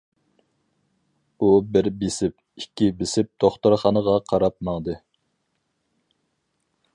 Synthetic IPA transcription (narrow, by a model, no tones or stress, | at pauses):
ubɪɾbesɪp̚ | ikʲʰːibɪsɪp̚d̪̥oχt̪oɾχɑnəʁɑqʰɑɾɑp̚mɑŋd̪ɨ